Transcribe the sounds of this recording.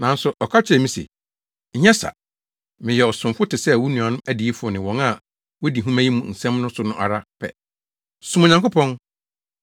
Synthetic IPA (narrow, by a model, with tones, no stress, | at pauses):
nã˨n̩˦sʊ˨ʔɔ˨kʰa˦t͡ɕʰᶣɛ˨mĩ˦sḛ˨˦ | ɲɛ˦sa̰˨ | mɪ̃˨jɛ˨ɔ˨sʊ̃˨mfʊ˦tɪ˨sɛ˦˨wu˦nũ˨a˨nʊ̃˦æ˨di˨i˦fʊ˨ɔ˨nɪ̃˨wɔ̃˨ŋa˦˨ | wɔ˦di˨ɦũ˦mæ̃˦ji˦mũ˨n̩˨sɛ̃˦mnʊ̃˦sʊ˨nʊ̃˦ʔa̰˨ɾa˦pʰɛ̰˨ | sʊ̃˦mʊ˨ɲã˨ŋko˦pʰɔ̃˦n